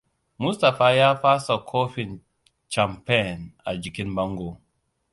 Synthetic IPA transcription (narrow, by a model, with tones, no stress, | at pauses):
mu˦sta˨fa˨ja˦fa˦sa˨kʰɔ˦fi˨n | t͡ʃa˨mpɛ˦˨na̰˨d͡ʒi˨ki˦nba˦ŋɡo˦˨